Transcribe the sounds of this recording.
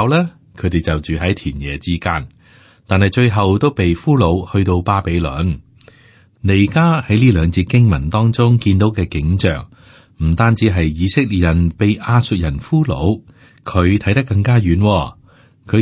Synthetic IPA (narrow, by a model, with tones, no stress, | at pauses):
wlɛː˥ | kʰɵ˨˧ɥt̪e˨jt͡sɐ˨wt͡syː˨ɦɐ˨˥jt̪ʰiː˨˩njɛː˨t͡siː˥kaː˧n | t̪aː˨nhɐ˨jt͡ʃɵ˧ɥɦɐ˨wt̪o˥wpe˨jfuː˥lo˨˧whɵ˧ɥt̪o˧wpaː˥pe˨˧˥jlɵ̰˨˥n | le˨˩jkaː˥hɐ˨˥jliː˥lœː˨˧ŋt͡siː˧t̚kɪ˥ŋmɐ˨˩nt̪ɔː˥ŋt͡sʊ˥ŋkiː˧nt̪o˨˥wkɛː˧kɪ˨˥ŋt͡ʃœ̰ː˨ŋ | m̩˨˩t̪aː˥nt͡siː˨˥ɦɐ˨jːiː˨˧sɪ˥k̚li˨˩t̚jɐ˨˩npe˨jʔaː˧sɵ˧t̚jɐ˨˩nfuː˥lo̰˨˥w | kʰɵ˨˧ɥt̪ʰɐ˨˥jt̪ɐ˥kːɐ˧ŋkaː˥jyː˨˥nwɔː˧ | kʰɵ˨˧